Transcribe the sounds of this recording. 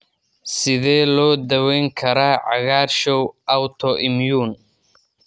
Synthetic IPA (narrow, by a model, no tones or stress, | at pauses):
sɪðɛːlɔːd̪ɐwɛjŋkʰɐɾaːʕɑɣaːɾʃɔwʔɐwt̪ʰɔʔɪmjuːn